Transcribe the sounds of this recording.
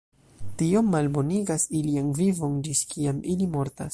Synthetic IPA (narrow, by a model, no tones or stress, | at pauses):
tio̞mːalbo̞niɡasilianvivo̞nd͡ʒiskʰiamilimo̞ɾta̰s